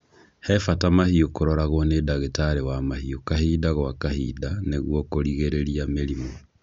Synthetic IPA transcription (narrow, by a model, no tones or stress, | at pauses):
hɛfatamahiokoɾɔɾaɣwɔnedaɣetaɾewamahiokaɦidaɣwakahḭdaneɣwɔkoɾiɣeɾeɾiameɾimo